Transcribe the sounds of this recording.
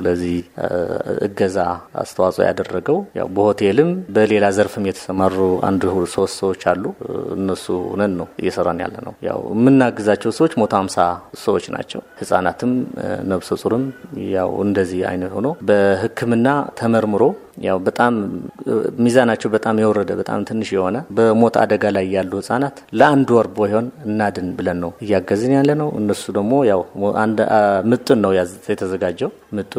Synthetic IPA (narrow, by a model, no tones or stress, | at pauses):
ɨləzːih | ɨ̰ɡːəzaa̰st̪ʰəwasʼo̰ja̰d̪ərːəɡəwja̰wbəho̞t̪ʰelɨmbəle̞lazəɾfɨmjɛt̪ʰə̥səmarua̰nd̪hulsəwost̪səwo̞t͡ʃːalːuɨ̰nːəsuhṵnət̪nəwɨjːɛsərːanja̰lːənə̰wja̰wmːɨnːaɡɨzat͡ʃːɛwsəwo̞t͡ʃːmo̞t̪ʰaamsasəwo̞t͡ʃːna̰t͡ʃːɛ̰whɨsʼanat̪ʰɨmnəβsosʼuɾɨmja̰wɨ̰nd̪əzːiha̰jnət̪ho̞̰no̞bəhɨkʰːɨmɨnːat̪ʰəməɾmɨɾo̞ | jawbət̪ʼam | mizanat͡ʃːɛwbət̪ʼamjɛwɔɾəd̪əbət̪ʼa̰mt̪ʰɨnːɨʃjɛho̞nəbəmo̞t̪ʰa̰d̪əɡalajjalːuhɨsʼanat̪ləand̪wɔɾbojho̞nɨnːad̪ɨnbɨlənːəwɨjːaɡːəzɨnjalːənəwɨ̰nːəsud̪əɡmo̞jawʔa̰nd̪mɨt̪ʼːɨnːəwjazjɛt̪ʰəzəɡad͡ʒːɛw | mɨt̪ʼːɨ